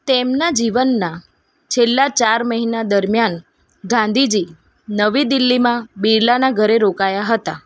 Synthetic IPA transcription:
t̪emnad͡ʒiʋənːa | t͡ʃʰelːat͡ʃaɾməɦinad̪əɾmjan | ɡãnd̪ʱid͡ʒi | nəʋid̪ilːimãbiɾlanaɡʱəɾeɾokajaɦət̪a

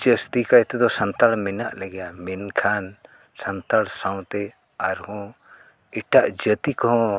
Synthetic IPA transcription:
d͡ʒəst̪ikajt̪ɛd̪ɔsant̪aɭmɛnaʔləɡɛjamɛnkʰan | sant̪aɽsaw̃t̪ɛ | aɾhɔ̃ | ɛʈaʔd͡ʒət̪ikɔɦɔ̃

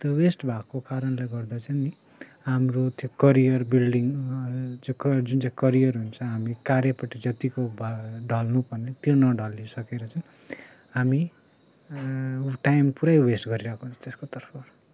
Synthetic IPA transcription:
t̪owesʈbʱakokaɾʌnlaɡʌrd̪at͡sʰʌni | amrot̪ʰjokʌɾijʌrbilɖiŋɡd͡zkd͡zunt͡saĩkʌɾijʌrɦunt͡sʰʌɦamikaɾjʌpʌʈid͡zʌt̪ikobɖʱʌlnupʌrnet̪jonʌɖʌlisʌkeɾʌt͡sʌn | ɦami | ʈajmpuɾajwesʈɡʌɾiɾʌkont͡sʰʌ̥t̪eskot̪ʌrpʰʌr

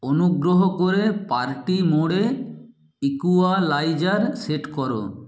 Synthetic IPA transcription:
onuɡɾoɦokoɾepaɾʈimoɽe | ikualajd͡ʑaɾseʈkɔɾo̰

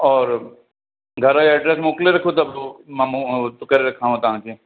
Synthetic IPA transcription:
ɔːɾ | ɡʱɐɾaɛɖɾɛsmõːkleɾɐkʰot̪ɐbomɛ̃mt̪ʊkəɾeɾɐkʰːaːɦũt̪ɐɦãːke

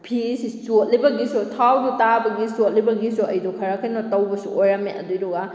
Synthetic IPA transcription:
pʰisisot̚libɐɡisotʰawdutabɐɡisot̚libɐɡisuɐjdɔkʰɐɾakʰɐjnɔtɐwbɐsṵʔojɾameʔɐ̰dujɾoɡa

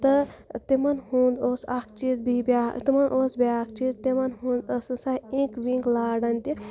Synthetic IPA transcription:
t̪ɨt̪imɐnhũːnd̪oːsakʰt͡ʃiːzbibʲaːt̪imɐnʔoːsbʲaːkʰt͡ʃiːzt̪imɐnɦũːnd̪ɐsɨsɐɦĩkʋĩŋklaːɖɐnʲt̪i

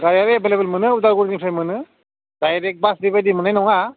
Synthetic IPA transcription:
ɡaɾjaɾeebelebelmɯnɯuzaɡuɾnipʰajmɯnɯ | dajɾek̚basdibajdimɯnajnɔŋa

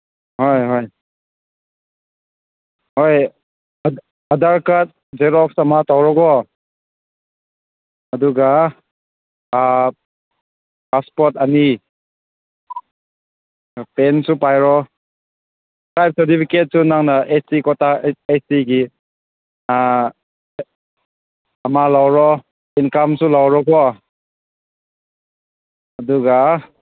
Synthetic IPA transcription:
hojɦoj | hoj | ɐdaɾkat̚ | zeɾɔk̚samatawɾɔɡɔ | ɐduɡa | paspɔɾtɐni | pensupajɾɔ | ɾajp̚sɐɾtipʰiket̚sunaŋnaʔeikɔtʰaesiɡi | ɐmalawɾɔ | inkamsulawɾɔkɔ | ɐduɡa

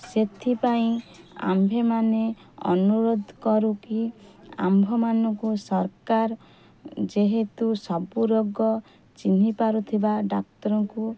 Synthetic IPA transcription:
set̪ʰipaĩa̰mbʱemane | ɔ̰nuɾod̪ʱkɔɾukia̰mbʱɔmanɔŋkusɔɾkaɾ | d͡ʒeɦet̪usɔbuɾoɡɔ | t͡ʃinipaɾut̪ʰibaɖak̚t̪ɔɾɔŋku

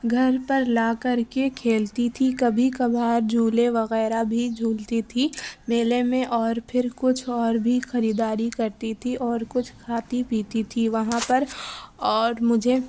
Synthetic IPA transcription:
ɡʱɐɾpɐɾlaːkɐɾkekʰeːlt̪it̪ʰikɐbʱikɐbʱaːɾd͡ʒʱuːleʋɐɣɛːɾabʱid͡ʒʱuːlt̪it̪ʰimeːlemẽʔɔːɾpʰɪɾkʊt͡ʃʰɔːɾbʱixɐɾiːd̪aːɾikɐɾt̪it̪ʰiʔɔːɾkʊt͡ʃʰkʰaːt̪ipiːt̪it̪ʰiʋɐɦãpɐɾɔːɾmʊd͡ʒʱe

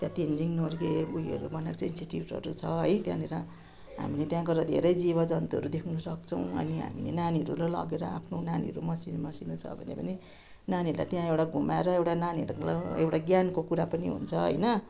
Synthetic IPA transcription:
t̪jãt̪ind͡ziŋnorɡebuiʌ̰ɾubʌnakt͡sainsiʈiuʈʌ̰ɾut͡sʰʌɦʌjt̪jã̰neɾʌ | ɦa̰milet̪jãkʌɾad̪ʱḛɾʌjd͡ziβʌd͡zʌnt̪uɦʌɾud̪ekʰunusʌk̚t͡sʰʌw̃ʌ̰niɦa̰milḛnaniɦʌɾulala̰ɡeɾʌa̰pʰnonanḭɦʌɾumʌsinmʌsinut͡sʰʌ̰bʱʌnḛpʌni | naniʌɾla̰jt̪jãewʈaɡʱumaeɾʌewʈananiʌɾuulaewʈaɡjankokuɾapʌniɦṵnt͡sʰʌɦʌ̰jnʌ

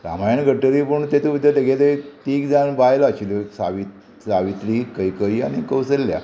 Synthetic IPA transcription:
ɾa̰majaɳɡʱəʈːəɾipəɳt̪et̪uʋid̪ət̪eɡet̪əit̪iːkd͡zanbajlaaɕiloksaʋit̪ | saʋit̪ɾiːkəikəiːa̰ɽ̃ikəwsəlːja̰

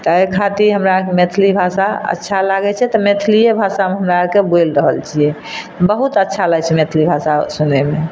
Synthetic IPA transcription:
t̪ɔekʰat̪iɾɦəmɾakemet̪ʰlibʱasaə̰tːʃʰalaɡɛt͡ʃʰɛt̪ɔmet̪ʰlijebʱasameɦəmɾakebojlɾəɦəlt͡ʃʰiɛ | t̪bəɦut̪ətːʃʰaləɡt͡ʃʰɛmet̪ʰlibʱasasuneme

